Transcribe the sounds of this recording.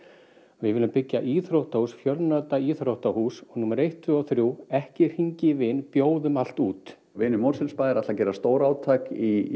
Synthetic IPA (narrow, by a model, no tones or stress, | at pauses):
vɪðvɪlʏmpɪcːaʔiθɾowht̪ahusfjœlnœt̪aiθɾowht̪ahuːsɔɣnuːmaɾejht̪ʰːvʏaθɾjuːwɛhcɪɾ̥hiɲcɪvɪnpjoːwðʏmal̥t̪uːt̪ | vɪːnʏmɔɾrsɪlspaːðɪɾat̪lacɛːɾast̪oːwɾaːwt̪ʰaki